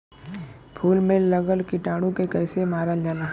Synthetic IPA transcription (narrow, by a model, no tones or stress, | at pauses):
pʰuːlmẽlːəɡəlkɪʈaːɽũkekɛːsemaːɾəld͡ʒaːna